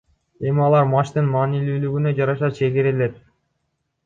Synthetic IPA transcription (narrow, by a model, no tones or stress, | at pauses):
e̞miɑlˠɑɾmɑʃt̪ɯnmɑːnilyːlyɡynø̞d͡ʒɑɾɑʃɑt͡ʃʰe̞ɡeɾele̞t̪̚